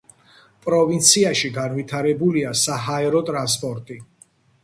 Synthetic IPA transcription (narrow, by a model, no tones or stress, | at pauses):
pʼɾɔvint̪sʰiaʃiɡanvit̪ʰaɾɛbuliasaɦaɛɾɔt̪ʼɾans̬pʼɔɾt̪ʼi